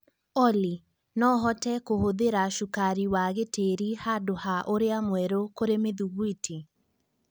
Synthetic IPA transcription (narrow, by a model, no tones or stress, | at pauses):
ɔli | nɔɦɔtɛkohoðeɾaʃukaɾiwaɣeteɾihadohaʔoɾeamwɛɾokoɾemeðuɣwitʰi